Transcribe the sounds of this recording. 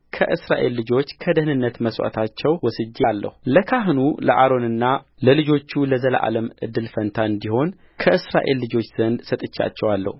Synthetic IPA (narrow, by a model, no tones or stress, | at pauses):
kʰəʔɨsɾaʔe̞lːɨd͡ʒo̞t͡ʃːkʰəd̪əhnɨnːət̪məswa̰t̪ʰat͡ʃːɛwwɔsɨd͡ʒːealːə̰huləkʰaɦnulə̰ʔaɾo̞nɨnːaləlɨd͡ʒo̞t͡ʃːuləzəl̰ʔa̰ləmʔɨ̰d̪ːɨlfənt̪ʰaɨnd̪iho̞n | kʰəʔɨsɾaʔe̞lːɨd͡ʒo̞t͡ʃːz̥ənd̪sət̪ʼɨt͡ʃːa̰t͡ʃːɛwalːə̰hu